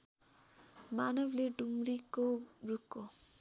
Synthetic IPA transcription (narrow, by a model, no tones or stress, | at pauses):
manʌbleɖumɾikoɾukːo